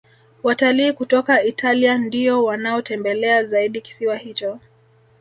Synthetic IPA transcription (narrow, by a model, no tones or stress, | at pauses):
wataliːkutɔkaitʰaliandiɔwanaɔtɛmbɛlɛazaiɗiki̥siwahit͡ʃɔ